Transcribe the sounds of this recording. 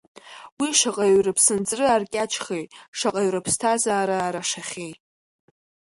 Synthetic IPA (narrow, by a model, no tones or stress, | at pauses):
wiʂaqʼaɥrɨpʰsɨnd͡zrɨarkʲʼat͡ʃʰχejtʼʂaqʼaɥrɨpʰstʰazaːɾaːɾaʂaχʲejtʼ